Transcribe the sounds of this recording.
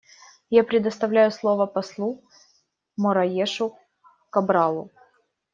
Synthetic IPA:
japɾʲɪd̪əst̪ɐvlʲæjʊslˠo̞vəpɐslˠu | mɔɾɐjeʂʊ | kɐbɾɑlˠʊ̰

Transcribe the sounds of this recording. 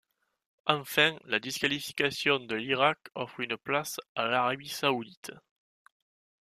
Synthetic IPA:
ɑ̃fɛ̃ŋlad̪iskalifi̥kasjɔ̃nd̪əliʁakɔfʁynəplasalaʁabisaud̪it̪

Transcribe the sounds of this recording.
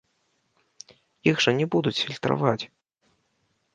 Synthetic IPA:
jiɣʐɐnʲɛbud̪ut͡sʲfʲilʲt̪ɾa̰vat͡sʲ

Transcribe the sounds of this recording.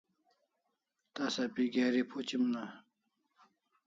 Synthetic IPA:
t̪asapiɡaɾipʰot͡ɕimna

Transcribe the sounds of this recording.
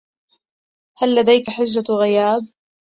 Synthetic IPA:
halːad̪ajkaħɪʒːaɣɪjaːb̚

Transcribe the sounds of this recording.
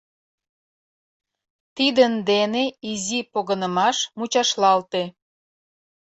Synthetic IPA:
t̪id̪ənd̪eneizipoɣənəmɑʃmut͡ɕɑʃlɑlt̪e

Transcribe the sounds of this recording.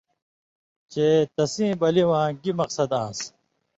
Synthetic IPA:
t͡ɕeːt̪ɐsĩːbɐliwãːɡimɐqsɐd̪ãːs

